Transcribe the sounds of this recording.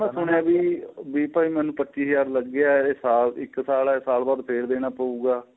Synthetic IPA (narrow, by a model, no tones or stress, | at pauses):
mɛ̃ːsʊɽjãːbiːbiːpaːiːmɛ̃ːnũːpətːt͡ʃiːsjaːɾləɡeaːesaːlɪksaːlɛːsaːlbaːd̪pʰeːɾd̪eːnaːpəuːɡaː